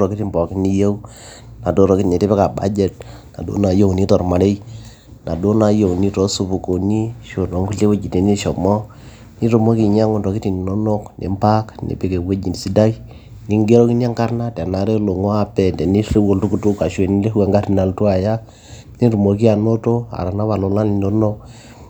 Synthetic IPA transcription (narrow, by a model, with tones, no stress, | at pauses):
ɾɔ˨ki˦ti˦mbɔ˨ki˦ni˦jo˦w | na˨do˦ɾɔ˨ki˦tne˨te˦pɛ˦ka˨ba̰˦d͡ʒɛ˦t̚na̰˨do̰˦na˨jo˦wni˦tɔ˨rma˨ɾe˦j | na˨do˦na˨jo˨ni˦tɔ˨˦su˨pu˨ko˨ni˦ʃo˨no˨˦ŋku˦le˦we˦d͡ʒi˨te˨ni˦ʃɔ˨mɔ˦ | ni˦to˨mo˦ki˨ɲa˦ŋo˦ntɔ˨ki˦ti˨n˨no˦no˦knḛ˨mpa˦knḛ˨pe˨ke˨we˦d͡ʒi˨ndsi˦da˦i˦ | ni˨ŋɡe˦ɾɔ˦ki˦n˦a˦ŋka˦rna˦ta˨na˨ɾe˦lo˨ŋa˦a˦pɛ˨ndɛ˨ni˦re˦wo˨ltu˦ku˨tu˦ka˨ʃwe˨ni˦le˦ɛ˨ŋɡa˦ɾi˨na˨ltu˦a˨ja˦ | ni˦ɾu˨mo˨k̬i˦a˨no˦to˦a̰˨ɾa˨na˦βa˨lo˨la˦ni˨no˦no˦k